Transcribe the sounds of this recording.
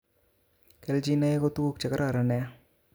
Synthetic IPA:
kɛ˨ld͡ʒi˦na˦e˦ko˦t̪u˦ku˦k̚t͡ʃɛ˨ka˦ɾa˦˨ɾa˨nɛ˨a˦

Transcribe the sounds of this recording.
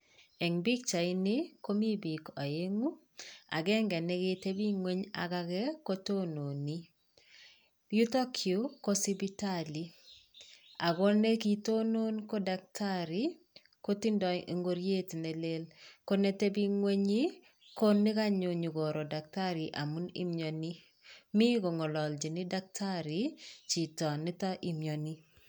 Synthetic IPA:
ɛ˨ŋbi˦k̚t͡ʃa˨ɪ˦nɪ˦ko˦mi˦bi˨ka˨je˦ŋu˦ | a̰˨ɡɛ˦ŋɡɛ˨nɛ˦ke˦te˦bi˦ŋwe˦ɲa̰˨ka˦kɛ˦ko˦to˦no˨ni˦ | ju˦tɔ˦kʰju˨˦kɔ˦si˦bi˦ta˦li˨ | a˨ɡɔ˦ne˦ki˨to˦no˦nkɔ˦da˨k̚tʰa˦ɾi˨ | ko˦ti˦ndɔ˨e˨ŋɡo˦ɾje˦tne˨le˦lko˦ne˨te˦bi˦ŋwe˦ɲi˦ | ko˦ni˦ka˦ɲo˨ɲu˨ɡo˨ɾo˨da˨k̚ta˦ɾi˨ʔa˨mu˦nḭ˦mjo˨ni˦ | mi˦ko˨ŋɔ˨lɔ˨ld͡ʒi˨ni˦da˦k̚tʰa˦ɾi˨t͡ʃi˨tɔ˨ni˦tɔ˦ʔi˦mjɔ˨ni˦

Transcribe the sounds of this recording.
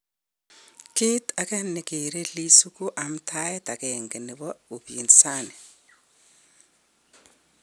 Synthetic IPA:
ki˦ta˨kʼa˦ni˨kʼɛ˨ɾe˦li˦su˦kʼu˦ʔa˨m̩˦tʰa˦jɛ˦ta˨kɛ˨ŋɡɛ˨nɛ˨βɔ˦u˨bji˨ni̥saː˦nɛ˨

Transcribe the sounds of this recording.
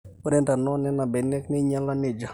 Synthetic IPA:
o˦ɾɛ˦nda˨nɔ˦nɛ˦na˨bɛ˨nɛ˦knɛ˦ɲa˦la˦nɪ˨d͡ʒa˨

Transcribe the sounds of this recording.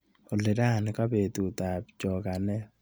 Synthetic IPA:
o˨le˨ɾa˦˨nɪ˨˦ka˦be˨tu˨ta˨pt͡ʃɔ˨ka˨nɛ˦

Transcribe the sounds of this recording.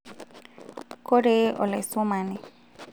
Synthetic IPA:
ko˦ɾe˦ɔ̰˨lɛ˨so˦ma˨ni˨

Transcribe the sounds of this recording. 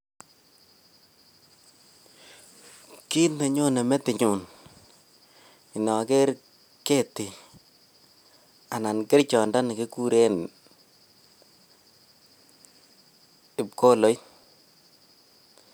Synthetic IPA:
ki˦tnɛ˨ɲo˦nɛ˨mɛ˦tɪ˨ɲu˨n | ɪ˨nɔ˨ke˦ɾ | ke˦tɪ˨ | a˨na˨nkɪ˦ɾt͡ʃɔ˨nda˦nɪ˨ke˦ku˦ɾe˦n | ɪ˨pko˦lo˨˦jn

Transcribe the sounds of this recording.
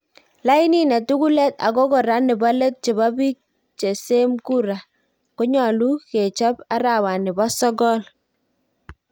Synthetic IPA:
la˦i˦ni˦nɛ˨tu˦ku˦lɛ˦ta̰˨ko˦kɔ˨ɾa˦nɪ˨bɔ˦le˦t̚t͡ʃe˨ba˦bi˦k̚ | t͡ʃe˨se˦mku˦ɾa˨ | ko˦ɲɔ˨lu˦ke˨t͡ʃɔ˦pa˦ɾa˨wa˨nɪ˨bɔ˦sɔ˦ɡɔ˦l

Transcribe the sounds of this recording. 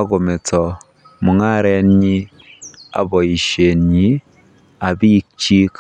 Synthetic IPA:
a˦ɣo˨me˨tɔ˨ | mu˨ŋa˦ɾe˦ɲi˦ | a̰˨βɔ˨i˨ʃe˨ɲi˦ | a˨βi˦kt͡ʃi˦k

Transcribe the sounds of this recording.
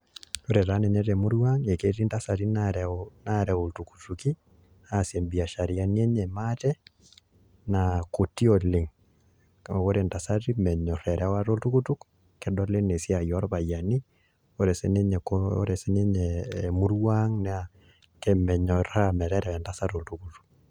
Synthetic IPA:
oɾe˨ɾa˦nɛ˨ɲɛ˦t̬ɛ˨mu˦ɾwaŋe˨ke˦ti˦nta˦sati˦naɾɛnaɾɛ˨oltuku̥˨tuki˦ | ase˨mbi˨a˨ʃa˨ɾia˦ni˦ɛ˦ɲɛmatɛ | nako˨ti˦ɔ˨le˨ŋ | o˨ko˦ɾenta˨sa˦ti˦mɛ˨ɲɔ˨ɾɛɾɛwa˦to˦ltu˦ku˦tu˦k | kɛ˨dɔle˦ŋne˨sia˨jɔ˦ɾpaja˨ni | oɾɛ˨sɛ˦ne˦ɲɛ˨koo̰˦ɾɛ˨sene˦ɲɛmu˦ɾwaŋna | kɛmɛ˨ɲɔɾamɛ˨ɾɛɾɛwɛ˨nta˦sa˦to˨ltukutu̥˨k

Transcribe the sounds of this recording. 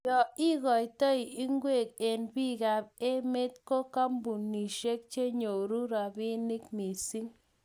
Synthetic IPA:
jɔ˨i˦ɣɔ˨i˨tɔ˦i˨i˦ŋɡwe˦˨k̚e˨nbi˦˨ɣa˨pe˦me˦tko˦ka˦mbu˨ni˨ʃe˦k̚t͡ʃe˦ɲo˨ɾu˦ɾa˨bɪ˦nɪ˦kmi˨si˦ŋ

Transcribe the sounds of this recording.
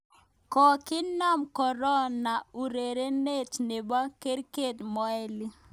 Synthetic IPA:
kɔ˨kɪ˦nɔ˦˨mkɔ˨ɾɔ˦na˨u˨ɾe˨ɾe˦ne˦˨tne˨ba˦ke˦ɾke˦˨tmɔ˨˦ɛ˦li˦

